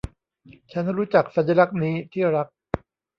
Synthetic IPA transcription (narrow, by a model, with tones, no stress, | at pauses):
t͡ɕʰa˦˥nɾuː˦˥t͡ɕa˨˩k̚sa˨˩˦na˧ɾa˦˥k̚niː˦˥t̪ʰiː˥˩ɾa˦˥k̚